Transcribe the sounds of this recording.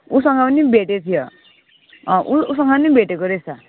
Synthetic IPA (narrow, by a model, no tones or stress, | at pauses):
usʌŋɡapʌnibʱeʈet̪ʰijo | ʔuusʌŋɡʌnibʱeʈekoɾesa